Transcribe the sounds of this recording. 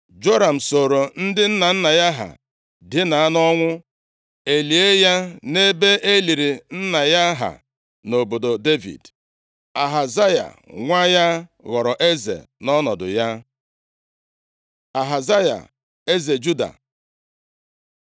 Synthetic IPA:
d͡ʒo˦ɾa˨m̩˨so˨ɾo˨n̩˦dɪ˦n̩˦na˨n̩˦na˨ja˦ɦa̰˨ | dɪ˦na˨a˦nɔ˦ŋʷʊ˦ | e˨li˨e˦ja˦ne˦be˦ʔe˦li˨ɾi˨n̩˦na˨ja˦ɦa̰˨ | no˨bo˨do˨de˦vḭ˨d | a˨ɦa˨za˦ja̰˨ | ŋʷa˦ja˦ɣɔ˨ɾɔ˨ʔe˦zḛ˨nɔ˦nɔ˨dʊ̰˨ja˦ | a˨ɦa˨za˦ja̰˨ | e˦ze˨d͡ʒu˦da̰˨

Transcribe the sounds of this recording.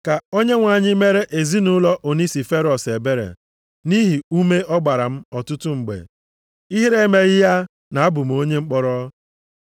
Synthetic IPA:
ka˨o˦ɲe˦ŋʷa˨ɲɪ˦me˦ɾe˦ʔe˨zi˦nu˦lɔ˦ʔo˨ni˦si˨fe˦ɾɔ˨se˨be˦ɾḛ˨ | ni˦ɦi˨u˦me˦ɔ˦ɡ͡ba˨ɾa˨m̩˦ɔ˨tʊ˦tʊ˦ŋ͡m̩˨ɡ͡bḛ˨ | i˦ɦi˦ɾe˦me˦ɣɪ˦ja˦ | na˨a˦bʊ˨m̩˨o˦ɲe˦ŋ͡m̩˦k͡pɔ˦ɾɔ˦

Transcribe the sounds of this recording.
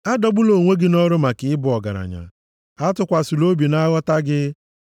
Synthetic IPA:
a˦dɔ˨bʊ˦lo˨ŋʷe˦ɡɪ˦nɔ˦ɾʊ˦ma˨kɪ˦ɪ˦bʊ˨ɔ˨ɡa̰˨ɾa̰˨ɲa̰˨ | a˦tʊ˦kʷa˨su˨lo˦bi˨na˦ɣɔ˦ta˦ɡɪ˦

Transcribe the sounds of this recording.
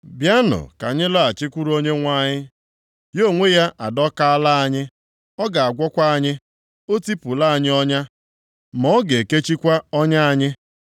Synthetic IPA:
bja˦nʊ̰˨ka˨ɲɪ˦la˦a˨t͡ʃɪ˦kʷu˦ɾu˦o˦ɲe˦ŋʷa˦˨ɲɪ˦ | jo˦˨ŋʷe˦ja˦ʔa˨dɔ˦ka˦a˦la˦a˦ɲɪ˦ | ɔ˦ɡa˨a˨ɡʷɔ˦kʷa˦a˦ɲɪ˦ | o˦ti˦pʊ˨la˦a˨ɲɪ˦ɔ˦ɲa˦ | mɔ˦ɡe˨ke˦t͡ʃi˦kʷa˦ɔ˦ɲa˦a˦ɲɪ˦

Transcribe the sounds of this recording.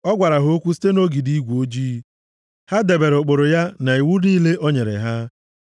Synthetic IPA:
ɔ˦ɡʷa˨ɾa˨ɦʊ˦o˦kʷu˦s̬i̥˦te˦no˦ɡi˨di˦ɡʷu˨o˦d͡ʒiː˦ | ha˦de˨be˨ɾʊ˨k͡po˨ɾʊ˨ja˦na˨i˨wu˦niː˦le˦ʔo˦ɲe˨ɾḛ˨ɦa˦

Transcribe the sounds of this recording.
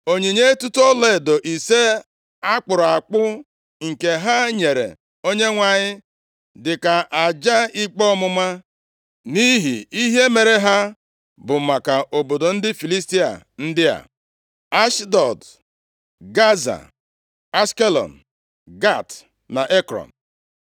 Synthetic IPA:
o˨ɲe˨ɲe˦e˦tu˦tu˦o˦le˦˨do˨ʔi˨se˦ | a˦k͡pʊ˨ɾa˨k͡pʊ˦ | ŋ̩˨ke˨ɦa˦ɲe˨ɾḛ˨ | o˦ɲe˦ŋʷa˨ɲɪ˦ | dɪ˨ka˨ʔa˨d͡ʒa˦i˦k͡pɔ˦mʊ˦ma˦ | ni˦ɦḭ˨i˦ɦe˦me˨ɾe˨ɦa˦ | bʊ˨ma˨ka˨ʔo˨bo˨do˨n̩˦dɪ˦fi˨li˦s̬ti˦a̰˨ | n̩˦dɪ˦a̰˨ | a˦ʃdɔ˨d | ɡa˦za̰˨ | a˦ske˦lɔ̰˨n̩˨ | ɡa˦˨t | na˨ʔe˦kɾɔ̰˨n̩˨

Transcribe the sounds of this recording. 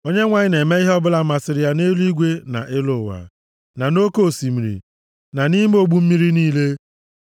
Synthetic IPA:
o˦ɲe˦ŋʷa˨ɲɪ˦ne˨me˦i˦ɦɔ˦bʊ˦la˦ma˨sɪ˨ɾɪ˦ja˦ne˦lu˦i˦ɡʷe˦na̰˨ʔɪ˦lʊ˦˨wa̰˨ | na˨no˦ko˦˨si˨mi˨ɾḭ˨ | na˨ni˦m̩˦o˦ɡ͡bu˦m̩˦mi˦ɾi˦niː˦le˦

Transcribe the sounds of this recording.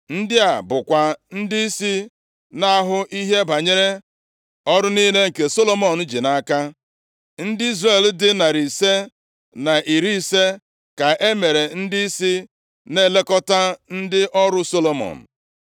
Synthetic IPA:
n̩˦dɪ˦a˨bʊ˨kʷa˨n̩˦di˦i˦si˦ | na˦ɦʊ˦ʔi˦ɦe˦ba˨ɲe˦ɾe˦ | ɔ˦ɾʊ˦ni˦le˦ŋ̩˨ke˨so˦lo˦mɔ˨n̩˦d͡ʒi˨na˨˦ka˦ | n̩˦dɪ˦i˦zre˦˨l̩˦dɪ˦na˨ɾi˨se˦ | na˨ʔi˨ɾi˦˨se˦ | ka˨ʔe˦me˨ɾe˨n̩˦di˦i˦si˦ | ne˦˨le˦kɔ˦ta˦n̩˦dɪ˦ʔɔ˦ɾʊ˦so˦lo˨mɔ̰˨n̩˨

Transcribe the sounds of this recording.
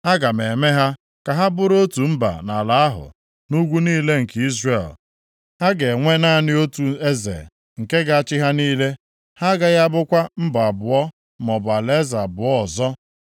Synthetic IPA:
ha˦ɡa˨me˨me˦ɦa˦ | ka˨ɦa˦bʊ˦ɾo˦tu˨m̩˦ba̰˨na˨la˨a˦ɦʊ̰˨ | nu˦ɡʷu˦niː˦le˦ŋ̩˨ki˦zre˨l | ha˦ɡe˨ŋʷe˦na˦˨nɪ˦o˦tu˨e˦zḛ˨ | ŋ̩˨ke˦ɡa˨a˦˨t͡ʃɪ˦ɦa˦niː˦le˦ | ha˦ɡa˦ɣa˦bʊ˦kʷa˦m̩˦ba˨a˨bʊ˨ɔ˦ | mɔ˨ba˨le˦za˨bʊ˨ɔ˦˨zɔ˦

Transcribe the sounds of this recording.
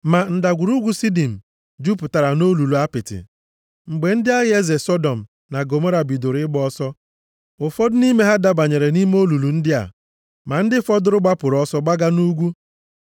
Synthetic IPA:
ma˨n̩˨da˨ɡʷu˨ɾu˦ɡʷu˦si˦di˨m̩˨ | d͡ʒu˦pʊ˨ta˨ɾa˨no˦lu˨lu˨a˦pɪ˨tɪ̰˨ | ŋ͡m̩˨ɡ͡be˨n̩˦dɪ˦a˦ɣe˦ze˨sɔ˦dɔ˨m̩˨ | na˨ɡo˨mo˦ɾa˨bi˨do˨ɾɪ˦ɡ͡bɔ˦sɔ˦ | ʊ˨fɔ˦dʊ˦ni˦me˦ɦa˦da˦ba˨ɲe˨ɾe˨ni˦me˦o˦lu˨lu˨n̩˦dɪ˦a̰˨ | ma˨n̩˦dɪ˦fɔ˦dʊ˦ɾʊ˦ɡ͡ba˦pʊ˨ɾɔ˦sɔ˦ɡ͡ba˦ɡa˦nu˦ɡʷu˦

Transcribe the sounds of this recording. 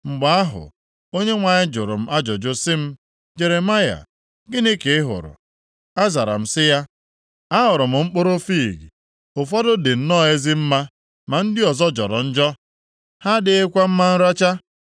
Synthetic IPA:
ŋ͡m̩˨ɡ͡ba˨˦a˦ɦʊ̰˨ | o˦ɲe˦ŋʷa˨ɲɪ˦d͡ʒʊ˨ɾʊ̰˨m̩˦ʔa˦d͡ʒɔ˨d͡ʒʊ˦sɪ˦m̩˦ | d͡ʒe˨ɾe˨ma˦ja̰˨ | ɡɪ˦ne˦ke˨ɪ˦ɦʊ̰˨ɾʊ̰˨ | a˦za˨ɾa̰˨m̩˨sɪ˦ja˦ | a˦ɦʊ˨ɾʊ˨m̩˨ŋ͡m̩˦k͡pʊ˦ɾo˦fi˦˨ɡḭ˨ | ʊ˨fɔ˦dʊ˦dɪ˨n̩˨nɔ˦˨e˦zɪ˦m̩˦ma˦ | ma˨n̩˦dɪ˦ɔ˨zɔ˦d͡ʒɔ̰˨ɾɔ̰˨n̩˦d͡ʒɔ˦ | ha˦dɪ˦e˦kʷa˦m̩˦ma˦n̩˦ɾa˦t͡ʃa˦

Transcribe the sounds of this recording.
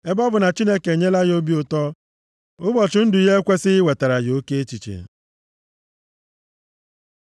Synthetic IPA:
e˦bɔ˦bʊ˨na˨t͡ʃi˦ne˦ke˨ɲe˦la˦jo˦bi˦ʊ˨tɔ˦ | ʊ˦bɔ˨t͡ʃʊ˨˦n̩˦dʊ˨i˨˦ɦe˦e˦kʷe˦sɪ˦ɪ˦we˨ta˨ɾa˨jo˦ke˦e˦t͡ʃi˨t͡ʃḛ˨

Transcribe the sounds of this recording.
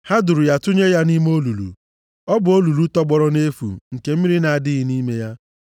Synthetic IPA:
ha˦du˨ɾu˨ja˦tʊ˦ɲe˦ja˦ni˦m˦o˦lu˨lṵ˨ | ɔ˦bʊ˨o˦lu˨lu˦tɔ˦ɡ͡bɔ˨ɾɔ˦ne˦fṵ˨ŋ̩˨ke˨m̩˦mi˦ɾi˦na˨a˨dɪ˦ɣɪ˨˦ni˦me˦ja˦

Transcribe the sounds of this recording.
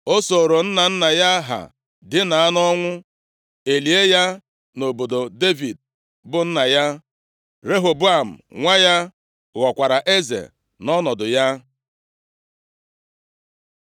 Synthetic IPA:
o˦so˨ɾo˨n̩˦na˨n̩˦na˨ja˦ɦa̰˨ | dɪ˦na˨a˦nɔ˦ŋʷʊ˦ | e˨li˨e˦ja˦ | no˨bo˨do˨de˦vi˨d̚ | bʊ˨n̩˦na˨ja˦ | ɾe˦ɦo˨bʊ˦a˨m̩˨ŋʷa˦ja˦ | ɣɔ˨kʷa˨ɾa˨ʔe˦zḛ˨ | nɔ˦nɔ˨dʊ˨ja˦

